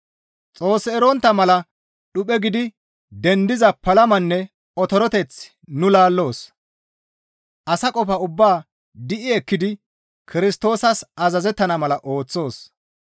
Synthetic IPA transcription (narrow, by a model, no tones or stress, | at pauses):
t͡sʼo̞ːsːɛɛɾɔnt̪ːɐmɐlɐ | ɗʊpɛɡɪd̪ɪ | d̪ɛnd̪ɪzɐpɐlɐmɐnːɛ | ɔt̪ɔɾɔt̪ɛt͡s | nʊlaːlːo̞ːs | ʔɐsɐkʼɔfɐʊbːaː | d̪ɪʔɪɛkːɪd̪ɪ | kʰɪɾɪst̪o̞ːsɐsɐzɐzɛt̪ːɐnɐmɐlɐʔo̞ːt͡sːo̞ːs